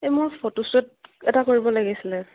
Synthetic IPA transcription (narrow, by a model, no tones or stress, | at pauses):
emʊɹpʰotosɔt̚ɛtakoɹibɔlaɡisilɛ